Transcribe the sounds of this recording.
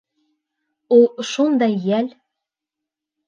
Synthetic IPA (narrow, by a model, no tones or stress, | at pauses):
ulˠʃund̪ɑjːæl